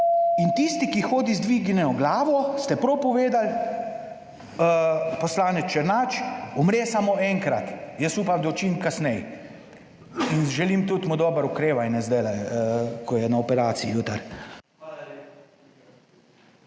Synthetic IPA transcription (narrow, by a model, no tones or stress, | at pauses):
int̪ist̪ikixoːd̪izd̪ʋiːɡnɛɔɡlaːʋɔst̪ɛpɾɔwpɔʋeːd̪al | pɔslaːnɛt͡ʃɛɾnaːt͡ʃɔmɾɛsamoɛŋkɾat̪jəsuːpamd̪ot͡ʃiŋkasnɛj | inʒɛlimt̪ut̪mud̪oːbəɾukɾeːʋajnɛzd̪ɛlakʰɔjɛnaɔpɛɾaːt̪siijuːt̪əɾ